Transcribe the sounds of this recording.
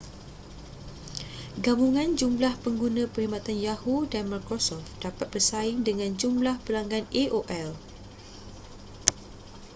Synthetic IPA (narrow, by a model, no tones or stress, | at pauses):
ɡabuŋãnd͡ʒumblahpəŋɡunãpəɾimat̪anjahudanmarkɔsɔfdapat̪̚bəsaiŋdəŋãnd͡ʒumblahpəlaŋɡaneʔoʔɛl